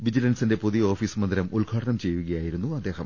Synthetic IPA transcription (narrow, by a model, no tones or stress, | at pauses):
ʋid͡ʑilɐnsinde̞puðijoːfiːsmɐnd̪iɾɐmulɡʱaːʈɐɳɐmt͡ɕe̞jːuɣɐjaːjiɾunːuɐd̪ːe̞ːɦɐm